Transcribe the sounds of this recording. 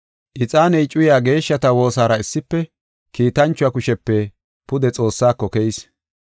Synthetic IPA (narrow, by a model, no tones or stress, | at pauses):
ʔɪt͡sʼaːnɛjt͡ʃʼʊjaːɡe̞ːʃːɐt̪ɐwo̞ːsaːɾɐɪsːɪpːɛ | kiːt̪ɐnt͡ʃːʊakʊʃɛpːɛ | pʊd̪ɛt͡sʼo̞ːsːaːkːɔkɛjs